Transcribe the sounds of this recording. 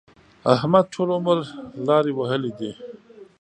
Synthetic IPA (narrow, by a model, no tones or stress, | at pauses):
ahmad̪̚ʈ͡ʂʰolʊməɾlɑːɾiwəɦəlid̪i